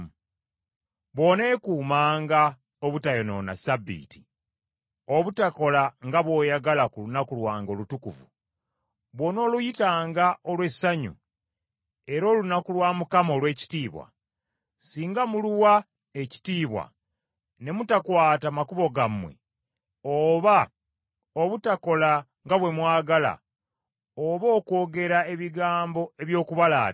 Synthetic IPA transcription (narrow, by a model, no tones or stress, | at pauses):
βwo̞ne̞ːkuːmaːŋɡa | oβutajono̞̰na̰sabːḭːti̥ | oβutako̞laŋɡaβwo̞ːjaɡalakulunakulwaːŋɡo̞ːlutukuvṵ | βwo̞no̞ːlujitaːŋɡaolwe̞saɲṵ | e̞ɾo̞ːlunakulwaːmukamo̞ːlwe̞ːci̥tiːβwa̰ | siːŋɡamuluwa | e̞ci̥tiːβwa̰ | ne̞mutakwaːtamakuβo̞ɡamwe̞̰ | oβa | oβutako̞la | ŋɡaβwe̞mwaːɡala̰ | oβo̞ːko̞ːɡe̞ɾae̞βiɡaːmbo̞e̞βjo̞ːkuβala̰ː